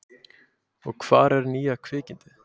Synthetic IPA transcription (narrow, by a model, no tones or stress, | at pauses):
ɔɣkʰv̥a̰ːɾɛɾniːakʰvɪːcɪnt̪ɪ